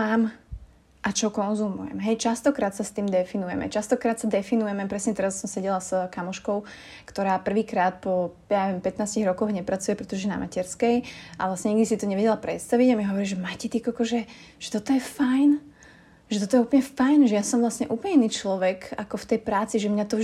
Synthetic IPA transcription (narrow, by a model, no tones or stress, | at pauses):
aːm | ʔat͡ʃɔɦɔkɔnzumujɛ̰mɦɛjt͡ʃast̪ɔkɾaːt̪sast̪iːmd̪ɛfinujɛ̰mɛ̰t͡ʃast̪ɔkɾaːt̪sad̪ɛfinujɛmɛpɾɛsɲɛt̪ɛɾassɔmsɛɟɛlaskamɔʃkɔʊ | kt̪ɔɾaːpr̩ʋiːkɾaːt̪̚pɔ | jaɛʋɛmpɛt̪naːsciɣɾɔkɔɣɲɛpɾat͡sujɛpɾɛt̪ɔʒɛna̰macɛɾskɛjʔa̰ʋlasɲɛɲiɡd̪isit̪ɔɲɛʋɛɟɛlapɾɛt̪st̪aʋiɟamiɦɔʋɔɾiːʒɛmacit̪ikakɔʒɛ | ʒ̥ɛt̪ɔt̪ɔjɛfajn | ʒɛt̪ɔt̪ɔjɛuːplɲɛfajnʒɛjasɔmvlasɲɛʔuːplɲɛinːiːt͡ʃlɔʋɛkakɔft̪ɛjpɾaːt͡siʒɛmɲat̪ɔ